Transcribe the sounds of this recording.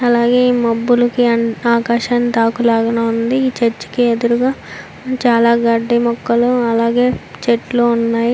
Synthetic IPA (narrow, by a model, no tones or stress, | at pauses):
ɐlaːɡe̞ːiːmɐbːulɐkiɐaːkaːʃaːnt̪aːkulaːɡɐnɐund̪iiːt͡ʃeɾt͡ʃːi̥kied̪uɾuɡaː | t͡ʃaːlaːɡɐɖːemɔkːɐluɐlaːɡe̞ːt͡ʃeʈloːunːaːji